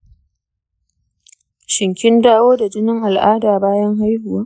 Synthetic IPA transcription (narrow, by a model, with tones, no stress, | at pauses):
ʃɪ˨ŋkʲɪ˦ndaː˦woː˦da˨d͡ʒɪ˦nɪ˦ŋʔa˨lʔaː˦daː˨baː˦jɐ˦ŋɦa˦jhʊ˨waː˦